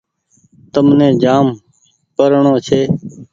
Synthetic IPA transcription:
t̪əmnẽːd͡ʒaːm | kəɾɳoːt͡ʃʰeː

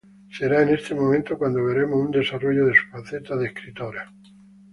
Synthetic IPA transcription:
se̞ɾaene̞st̪e̞mõment̪okwand̪oβ̞e̞ɾe̞mosund̪e̞saro̞ʝoðe̞su̥fanθet̪aðehkɾit̪o̞ɾa

